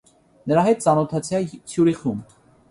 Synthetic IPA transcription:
nəɾɑɦɛt̪̚t͡sɑnɔt̪ʰɑt͡sʰjɑt͡sʰjuɾiχum

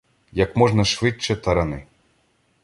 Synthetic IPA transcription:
jɐkmɔʐnɐʂvɪt͡ʃːɛt̪ɐɾɐnɪ

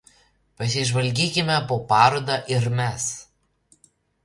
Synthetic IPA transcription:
pɐs̬ʲɪʒʋɐlʲɡʲiːkʲɪmʲɛpoːpɑːɾoːd̪ɑːʔɪɾmʲɛs

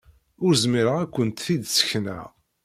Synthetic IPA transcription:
ʊɾzmiɾəʁækʷːənt̪θid̪sə̥çnæ̰

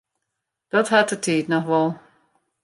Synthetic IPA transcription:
d̥ɔtɦatətʰiːtnɔxʋɔlˠ

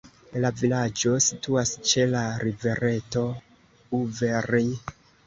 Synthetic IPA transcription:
lavilad͡ʒo̞situast͡ʃe̞laɾive̞ɾe̞to̞ | uveɾi

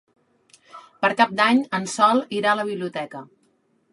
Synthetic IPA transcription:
pəɾkap̚d̪aɲənsɔlˠiɾaələβ̞iβliut̪ɛkə

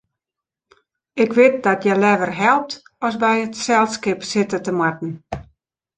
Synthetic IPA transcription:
ɪkʋɪt̚dɔtjɛlɛʋərɦɛlˠp̚tɔsbɛjətsɛlˠskɪpsɪtətəmwat̚n̩

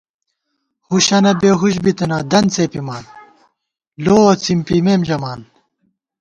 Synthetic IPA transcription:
huɕɐnɐbeːɦuɕbit̪ɐnɐd̪ɐnt͡seːpimaːn | loːɐt͡simpimeːmd͡ʑɐmaːn

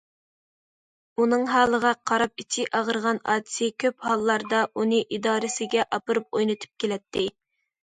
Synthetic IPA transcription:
unɨŋɦɑːlˠəʁɑqʰɑɾɑp̚it͡ʃʰiʔɑʁəɾʁɑnɑ̰ːd̪ɪ̥sɪkʲʰøphɑlˠːɑɾd̪ɑʔunɨʔid̪ɑːɾɪsɪɡʲɛʔɑpɨɾɨp̚ojnɨt̪ʰɨ̥p̚kʲelɛt̪ʰːɪ

